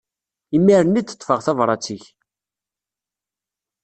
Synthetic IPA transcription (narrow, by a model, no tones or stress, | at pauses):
imːiɾənːit͡s̪ːə̥t̪ˤːfəʁθævɾˤɑt͡sːiç